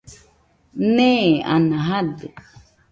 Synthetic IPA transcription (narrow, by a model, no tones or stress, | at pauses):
nẽa̰nãɦad̪e